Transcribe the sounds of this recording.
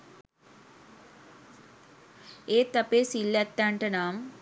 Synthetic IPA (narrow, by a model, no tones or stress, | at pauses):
eːt̪ɐpeːsilːɐt̪ːaːɳʈɐnaːm